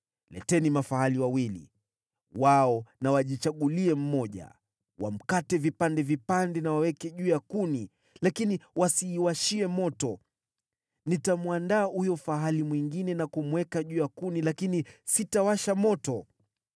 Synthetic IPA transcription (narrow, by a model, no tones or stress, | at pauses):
lɛ̰tɛnimafaɦaliwawilḭ | waɔnawaʄit͡ʃaɠuliɛm̩mɔʄa̰ | wam̩katɛvipandɛvipandɛnawawɛkɛʄuːjakuni | lakiniwasiːwaʃiɛmɔtɔ | nitamuandaːhujɔfaɦalimwiŋɡinɛnakumwɛkaʄuːjakunilakinisitawaʃamɔtɔ